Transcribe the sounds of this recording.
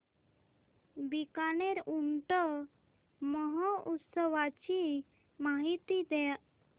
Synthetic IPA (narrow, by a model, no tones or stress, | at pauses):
bikaneɾuɳʈɔ | mɔɦɔʔut̪səwat͡ɕi | maɦit̪id̪ɛaʔ